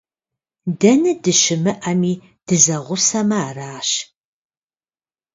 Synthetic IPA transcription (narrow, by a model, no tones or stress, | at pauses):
dɐnɨdɨʃɪmɨʔɐmiː | d̥ɨzɐʁʷʊsɐmɐaːraːʃ